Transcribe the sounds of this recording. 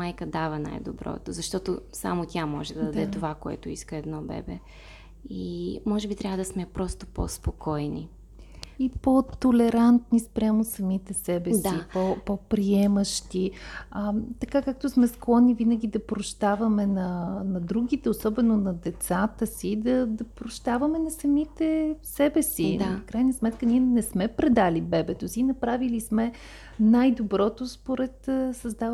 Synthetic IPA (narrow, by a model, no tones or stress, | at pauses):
majkəd̪avəna̰jd̪obɾɔ̰t̪o̰zɐʃt̪ɔt̪osa̰mot̪ʲamɔʒɛd̪ɐd̪ɐd̪ɛt̪ovakoɛ̰t̪ʊiskəɛd̪nɔbɛ̰bɛ̰ | imɔʒɛbit̪ɾʲavəd̪ɐsmɛpɾɔst̪o̥po̰spokʰɔjni | ipot̪olɛɾant̪nispɾʲjamosɐmit̪ɛsɛbɛsaipopopɾiɛməʃt̪iət̪ɐkakak̚t̪osmɛsklˠɔnivinəɡ̟ʲid̪ɐpɾoʃt̪avɐmɛnɐnɐd̪ɾuɡ̟ʲit̪ɛosɔbɛnonɐd̪ɛt̪sat̪əsid̪ɐd̪ɐpɾoʃt̪avɐmɛnɐsɐmit̪ɛsɛbɛsid̪fkɾajnəsmɛt̪kəniɛnɛsmɛpɾɛd̪alibɛbɛt̪osiːnɐpɾavilismɛ | najd̪obɾɔt̪ospoɾɛt̪sɐzd̪av